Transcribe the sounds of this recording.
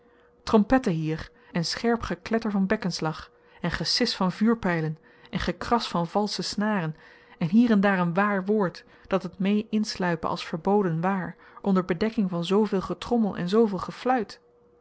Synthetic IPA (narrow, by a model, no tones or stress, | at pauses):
trɔmpɛtəɦiːɹ | ɛnsχɛɹpχəklɛtəɹvɑnbɛkənslɑχ | ɛnχəsɪsfɑnvyːɹpɛjlən | ɛnχəkrɑsfɑnv̥ɑlˠsəsnaːrən | ɛnɦiːrɛndaːɹənʋaːɹʋʊːɹt | d̥ɑtətmejʔɪnslœɥpə̰ʔɑ̰lˠsfəɹbowdənʋaːɹ | ʔɔndəɹbədɛkɪŋvɑnzowvɪːlˠχətrɔməlˠʔɛ̰nzowvɪːlˠχəflœɥt